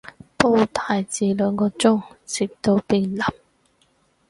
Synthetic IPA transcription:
po˥wt̪ʰaː˨˧jt͡siː˨˧lœː˨˧ŋkɔː˧t͡sʊ˥ŋt͡siː˨p̚t̪o˧wpiː˧nlɐ˨˩m̚

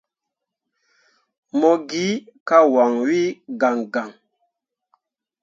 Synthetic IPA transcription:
mɔ˨ɡi˨˦ka˦wa˨ŋwi˦ɡa˨ŋɡa˨ŋ

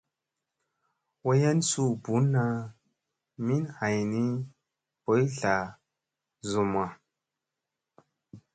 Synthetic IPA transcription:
wo˦ja˦nsu˦˨bu˨˦na˦ | mi˦nha˨jni˦ | po˨˦jɬa˨ | zu˨m˨a˨

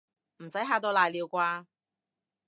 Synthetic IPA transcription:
m̩˨˩sɐ˨˥jɦaː˧t̪o˧wlaː˨˩jliː˨˧wkʷaː˧

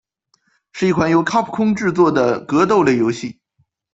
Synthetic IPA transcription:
ʂɻ̩˥˧i˥˩kʰwa˧˥njo˧˥ʊkʰa˥pʰu̥˨˩kʰʊ˥ŋʈ͡ʂɻ̩˥˧t͡swɔ˥˩d̪ə˩kɤ˧˥t̪o˥˩ʊle˥˩ɪjo˧˥ʊɕi˥˩

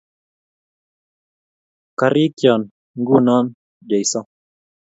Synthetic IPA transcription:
ka˨ɾi˦kjɔ˨n | ŋɡu˦˨nɔ˦n | d͡ʒa˨i˨sɔ˦

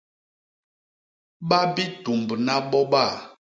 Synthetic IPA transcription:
ɓa˦bi˦tu˨mbna˦ɓɔ˦ɓa˦˨

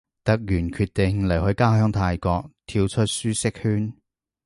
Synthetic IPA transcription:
t̪ɐ˨k̚jyː˨˩nkʰyː˧t̚t̪e˨ŋlɐ˨˩jɦɵ˨˥jkaː˥ɦœː˥ŋt̪ʰaː˧jkɔː˧k̚t̪ʰiː˧wt͡ʃʰɵ˥t̚syː˥sɪ˥k̚hyː˥n

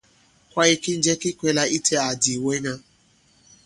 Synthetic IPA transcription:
kʷa˦i˦kɪ˦n̩˦d͡ʒe˦kɪ˦kʷe˦la˦ʔi˦tʰe˦a˨di˨we˦ɲa˦

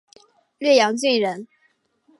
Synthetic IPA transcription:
lɥɛ˥˩jɑ˧˥ŋt͡ɕi˥˩nɻə˧˦˥n

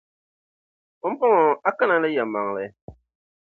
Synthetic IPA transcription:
o˦m̩˦pa˦ŋɔ˨a˦ka˦na˨la˦jɛ˨mːa˨ŋ˨lɨ˨˦

